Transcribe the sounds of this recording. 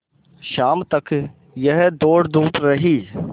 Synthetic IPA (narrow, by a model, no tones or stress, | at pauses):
ʃaːmt̪ɐk | jəɦd̪oːɽd̪uːʈɾɐɦiː